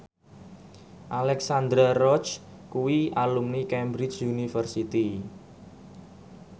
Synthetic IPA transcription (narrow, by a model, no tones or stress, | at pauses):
ʔalɛksand̪ɾarɔt͡ʃ | kuwialumnikɛmbɾɪt͡ʃunifərsit̪i